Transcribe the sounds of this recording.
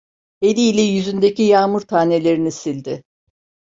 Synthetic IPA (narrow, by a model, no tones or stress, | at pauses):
e̞lʲiːlʲɛjyzynd̪e̞cijaːmuɾt̪ʰaːne̞lʲe̞ɾinisilʲd̪ɪ